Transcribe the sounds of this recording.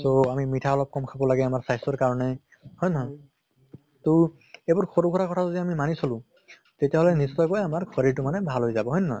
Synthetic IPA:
soamimitʰaɔlɔp̚kɔmkʰabɔlaɡɛamaɹsajsɔɹkaɹɔnɛ | hɔjnɔɦɔj | to | ejbʊɹxʰoɹukʰɔɾakɔtʰazodiamimanisolʊ̃ | tetijaɦɔlɛnistɔjkɔjamaɹkʰɔɹiɹtumanɛbʱalɦojzabɔɦɔjnɔ̰j

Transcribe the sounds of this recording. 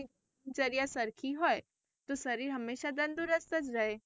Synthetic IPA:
d͡ʒɐɾijasɐɾkʰiɦɔːe | t̪osɐɾiːɾɦɐmːeːʃad̪ɐ̃nd̪uɾəst̪ɐt͡ʃɾɐɦeː

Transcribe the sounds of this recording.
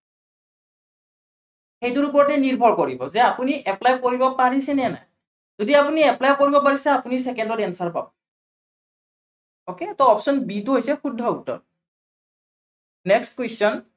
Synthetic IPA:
xejtuɹupɔɹɔtɛniɹbʱɔɹkoɹibɔ̰zɛapuniʔɛplajkoɹibɔpaɹisɛnɛna̰j | zodiapuniɛplajkoɹibɔpaɹisɛapunisɛkɛndɔtɛnsaɹpa̰b̚ | oketɔɔpsɔnbiduɦojsɛxudʱːɔutːɔ̰t | nɛkstkwesɔn

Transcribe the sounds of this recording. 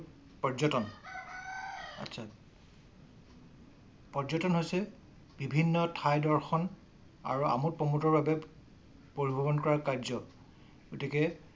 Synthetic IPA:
pɔzɔtɔn | a̰tːsʰa | pɔɹzɔtɔnɦojsɛ | b̥ibʱinːɔtʰajdɔɹxɔn | a̰ɹua̰mut̚pɔmutɔɹbabɛ | poɹibʱɔbɔnkɔɹakaɹzɔ | ɡotikɛ

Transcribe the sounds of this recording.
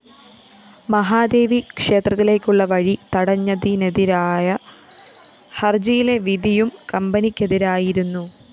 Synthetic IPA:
mɐɦaːd̪e̞ːʋikʂe̞ːt̪rɐt̪ːile̞ːkʲːuɭːɐʋɐɻit̪ɐɽɐɲːɐðineðiɾaːjɐ | hɐrd͡ʑɐjile̞ʋid̪ijumkɐmbɐnikʲːe̞ðiɾaːjiɾunːu

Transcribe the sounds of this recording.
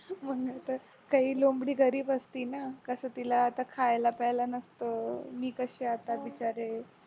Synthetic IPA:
m̤əŋɡat̪əɾ | kaɦiːlombɽiːɡəɾiːbəst̪iːnakəsəːt̪ilaːt̪akʰajlapɛlanəst̪əmiːkəɕeat̪aʋit͡ɕaɾe

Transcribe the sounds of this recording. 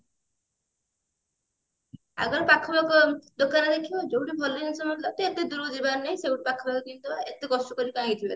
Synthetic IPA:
a̰ɡɔɾpakʰɔbakɔd̪okanɔd̪ekʰiɔd͡ʒowʈibʱɔlɔnisɔmd̪lat̪eet̪ed̪uɾod͡ʒibaɾnaj̃seuʈ̚pakʰɔbakɔkint̪uaet̪eɡɔsʈɔkɔɾibãɦĩt̪ʰibeɾ

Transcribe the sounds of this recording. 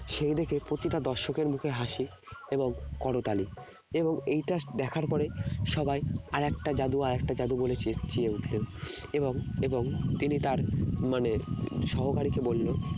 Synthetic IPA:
ʃejd̪ekʰepɾot̪iʈad̪ɔɾʃokeɾmukʰeɦaʃi | eboŋkɔɽot̪ali | eboŋejʈad̪ɛkʰaɾpɔɾeʃɔbajaɾɛkʈad͡ʑad̪uaɾɛk̚ʈad͡ʑad̪ubolet͡ɕt͡ɕieuʈʰleoeboŋeboŋt̪init̪aɾmaneʃɔɦokaɾikebolːo

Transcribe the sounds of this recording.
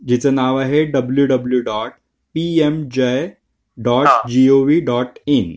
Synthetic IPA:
d͡ʑit͡sənãʋaɦeɖəbljuɖəbljuɖɔːʈ̚ | piemd͡ʑej | ɖɔːʈd͡ʑioʋiɖɔːʈin

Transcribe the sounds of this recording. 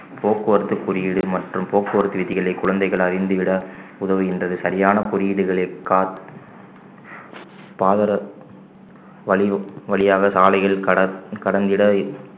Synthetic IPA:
pʰoːkːɯʋɐɾɯt̪ːɯkːʊɾɪjɪɽɯmɐʈrɯmpoːkːɯʋɐɾɯt̪ːɯʋɪðɪɣɐɭɐɪkːʊɻɐnd̪ɐɪɣɐɭɐɾɪnd̪ɯʋɪɽɐʊðɐʋɯɛndrɐðɯsɐɾɪjaːnɐkʊɾijɪɽɯɣɐɭɐɪkːaːt̪ | paːðɐɾɐ | ʋɐɭɪʋɐɭɪjaːɣɐsaːlɐɪɣɐɭkɐɽɐnd̪ɪɽɐ

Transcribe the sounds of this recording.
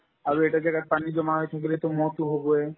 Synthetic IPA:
aɾeʈad͡ʑɛɡapanid͡ʑonaɦoet̪ʰak̬elet̪omɔɦt̪uɦoboe

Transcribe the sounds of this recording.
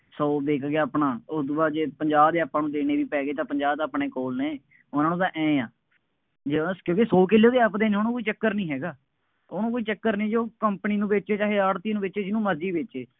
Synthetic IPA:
soːd̪eːkʰɡeaːpɳaːʊd̪baːd͡ʒeːpəɲd͡ʒaːbd̪eːəpːãːnũːd̪eːneːʋiːpɛːɡeːt̪ãːpəɲd͡ʒaːbt̪aːpɳeːkoːlnẽː | ʊnãːnũːt̪ãːʔɛ̃ːãː | d͡ʒekjõːkisoːkeːleoːd̪eːəpd̪eːneoːnũːkoːiːt͡ʃəkːəɾnĩːɦɛːɡaː | oːnũːkoːiːt͡ʃəkːəɾnẽːd͡ʒoːkəmpəniːnũːbeːt͡ʃeːt͡ʃaːɦeːəːɽt̪iːnũːbeːt͡ʃeːd͡ʒɪnũːməd͡ʒiːbeːt͡ʃeː

